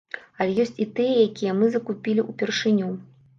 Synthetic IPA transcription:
ɐlʲɛjɔsʲt͡sʲit̪ɨjɛjakʲijɛmɨzɐkupʲilʲiʔupʲɛrʂɨnʲu

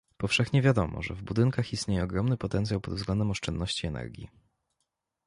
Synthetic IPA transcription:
pɔfʂɛxɲɛvʲjad̪ɔmɔ̰ʐɛvbud̪ɘŋkaxist̪ɲejɛɔɡɾɔmnɘpɔt̪ɛnt̪sʲjawpɔd̪vzɡlɛnd̪ɛmɔʂt͡ʂɛnd̪nɔɕt͡ɕiɛnɛ̰ɾɡʲḭ

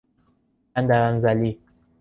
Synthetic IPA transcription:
andaɣan̩zali

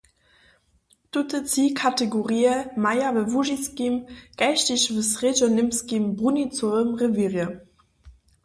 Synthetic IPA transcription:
tutət͡siːkʰateɡoʁiːəmajavəvuʒiskimɡ̥aʃtɪʃvəsʁed͡ʒɔnɪmskimbʁunit͡somʁəviʁjə

